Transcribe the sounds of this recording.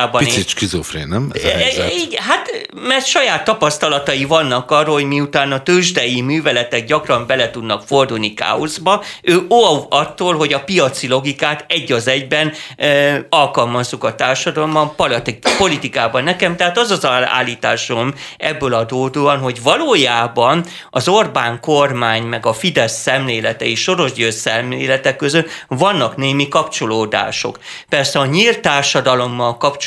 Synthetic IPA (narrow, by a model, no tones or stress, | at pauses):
bɒnisiʃkizofɾḛnɛmiːɡɛɦat̪mɛrt̪ʃɒjaːt̪ːɒpɒst̪ɒlɒt̪ɒivɒnːɒkɒrːɒɦoɟmiut̪aːnɒt̪øʒd̪ɛjimyːvɛlɛt̪ɛɡ̚ɟɒkrɒmbɛlɛt̪ud̪nɒkford̪ulnika̰ːozbɒøːouɒt̪ːoːlɦo̞ɟɒpijɒt̪silo̞ɡikaːt̪ɛɟːɒzɛɟbɛn | ɒlkɒlmɒzːukɒt̪aːrʃɒd̪ɒlombɒmp̪po̞lit̪ikaːbɒnːɛkɛmt̪ɛɦaːt̪ɒzɒzɒla̰ːlːiːt̪aːʃo̞mɛbːøːlɒd̪oːd̪oːɒnɦo̞ɟvɒloːjaːbɒn | ɒzorbaːŋkormaːɲmɛɡɒfid̪ɛsːɛmleːlɛt̪ɛeʃʃo̞ɾo̞ʒɟøːsɛmleːlɛt̪ɛkːøzøt̪vɒnːɒkneːmikɒpt͡ʃo̞loːd̪a̰ːʃo̞̰k | pɛrsɛɒɲiːlt̪ːaːrʃɒd̪ɒlo̞mːɒlkɒpt͡ʃ